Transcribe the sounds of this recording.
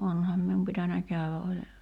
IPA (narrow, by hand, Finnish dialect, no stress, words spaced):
onhɑm mium pitænæ kæywæ ʔolʲ